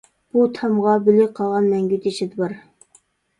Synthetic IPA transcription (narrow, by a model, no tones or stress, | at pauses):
b̥ut̪ʰɑmʁɑbɪlɪqʰɑlˠʁɑnmɛŋɡʲyt̪ʰɪt͡ʃʰɪd̪ɪbɨɾ